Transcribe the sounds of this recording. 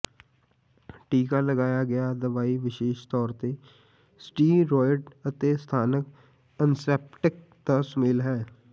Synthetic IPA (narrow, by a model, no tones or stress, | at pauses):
ʈiːkaləɡaːjaɡɐjad̪ɐʋaːiʋɪʃeːʃt̪ɔːɾt̪e | sʈiːɾɔːjɖət̪est̪ʰaːnək | ənsɛːp̚ʈɪk̚ | t̪asmɪːlɦɛː